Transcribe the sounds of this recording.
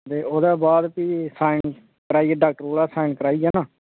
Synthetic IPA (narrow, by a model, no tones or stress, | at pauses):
t̪eːoːd̪aːbaːd̪piːsaːɪɳ | kəɾaːiːɛːɖaːk̚ʈəɾoːlaːsaːɪɳkəɾaːiːɛːnãː